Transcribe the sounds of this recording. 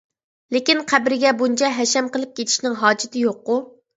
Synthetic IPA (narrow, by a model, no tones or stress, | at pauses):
lekʲinqʰæbɾɪɡʲɛbunt͡ʃʰɛɦɛʃɛmqəlˠɪp̚kʲet̪ʰi̥ʃnɪŋɦɑːd͡ʒɪt̪ʰɪjoqːu